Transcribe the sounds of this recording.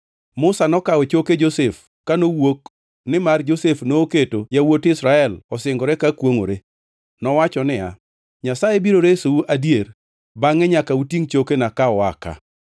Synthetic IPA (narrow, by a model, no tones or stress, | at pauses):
mʊsanɔkaɔt͡ʃoked͡ʒosef | kanowok | nɪmard͡ʒosefnoːketojawotɪsɾaɛlɔsɪŋɡɔɾɛkakwoŋo̰ɾe | nɔwat͡ʃɔnɪa | ɲasaebiɾoɾesouʔadjer | baŋɛɲakautiŋt͡ʃokenakaɔaka̰